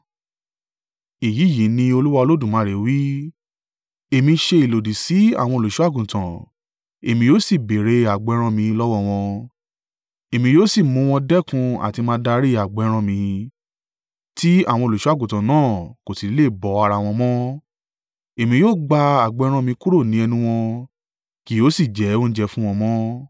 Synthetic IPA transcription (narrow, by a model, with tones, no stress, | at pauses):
i˨ji˨˦ji˨˦nĩ˧o˧lu˦wa˧o˧lo˦dũ˦˨mã˨˦ɾe˨˦wi˦ | e˨mĩ˧ʃe˧i˨lo˨di˨si˨˦a̰˦˨w̃ɔ̃˧˨lo˨ʃu˨˦a˦˨ɡũ˨tã˨ | e˨mĩ˧joː˦si˦˨be˨ɾe˧a˨ɡ͡bɾ̃ɔ̃˧mĩ˧lɔ˦wɔ˦˨w̃ɔ̃˧ | e˨mĩ˧joː˦si˦˨mũ˧˦w̃ɔ̃˧dɛ˦kũ˧a̰˨ti˧mãː˧˦da˧˦ɾi˦a˨ɡ͡bɾ̃ɔ̃˧mĩ˧ | ti˦a̰˦˨w̃ɔ̃˧o˨lo˨ʃu˦a˦˨ɡũ˨tã˨nãː˦˨ko˨si˨˦le˦˨bɔ˨˦a˧ɾa˧w̃ɔ̃˧mɔ̃˦ | e˨mĩ˧joː˦ɡ͡ba˧a˨ɡ͡bɛ˨˦ɾ̃ɔ̃˧mĩ˧ku˦ɾo˦˨nĩ˨˦ɛ˧nũ˦w̃ɔ̃˧ | ki˨˦o˦si˦˨d͡ʒɛ˨˦õ˦n̩˦d͡ʒɛ˧˦fũ˦w̃ɔ̃˧mɔ̃˦